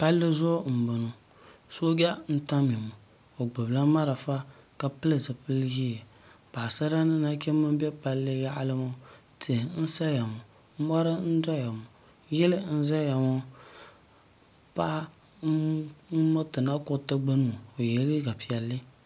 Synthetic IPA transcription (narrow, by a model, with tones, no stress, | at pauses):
pa˦lːɨ˦zɔː˦m̩˨bo˨no˨ | so˦ɡʲa˦n̩˦ta˦mi˨mʊ˨ | o˨ɡ͡bɨ˨bla˦ma˦ɾa˨fa˦ | ka˨pɨ˦lɨ˨zɨ˨pɨ˦lji˦e˨ | pa˨sa˦ɾa˦nɨ˦na˦kɛ˦mɨ˦bɛ˦pa˦lːɨ˦ja˦ʔlɨ˦mo˦ | tʰi˨n̩˦sa˦ja˨mʊ˨ | m̩˦mɔ˦ɾɨ˦n̩˦dɔ˦ja˨mʊ˨ | jɛ˦lɨ˦n̩˦za˦ja˨mo˦ | pa˦ʔa˦ | mɔ˦tɨ˨na˦kʊ˦˨tɨ˦ɡ͡bɨ˦nu˨o˨jɛ˨li˦ɡa˨pi˨ɛ˨lːɨ˦